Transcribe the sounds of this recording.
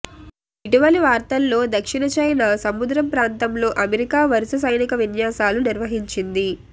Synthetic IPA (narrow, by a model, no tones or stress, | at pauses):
iʈiʋɐliʋaːɾt̪ɐlːo̞ːd̪ɐkʂiɳɐt͡ʃɐjnɐsɐmud̪ɾɐmpɾaːnt̪ɐmlo̞ːʔɐmeɾikaːʋɐɾisɐsɐjnikɐʋinjaːsaːluniɾʋɐɦiɲt͡ʃind̪i